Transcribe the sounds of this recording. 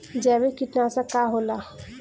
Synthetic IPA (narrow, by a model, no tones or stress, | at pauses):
d͡ʒɛːbekɪt̪nasakaɦoːla